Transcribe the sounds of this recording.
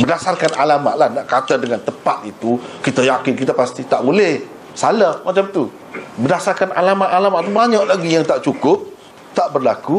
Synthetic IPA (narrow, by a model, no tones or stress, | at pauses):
bədasarkanalama̰ʔlahnaʔkat̪ədəŋant̪əpat̪̚it̪ukit̪ajakɪnkit̪apast̪it̪aʔbulɛh | salahmat͡ʃamt̪u | bədasarkanalamaʔalamaʔt̪ubaɲɔʔlaɡijaŋt̪aʔt͡ʃukʊp̚ | t̪aʔbərlaku